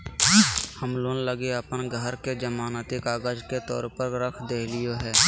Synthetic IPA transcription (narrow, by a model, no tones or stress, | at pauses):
həmloːnləɡeəpənɡʱəɾked͡ʒəmaːnət̪ɪkaːɡəd͡ʒket̪ɔ̰ːɾpəɾɾəkʰd̪eːlɪjoɦɛː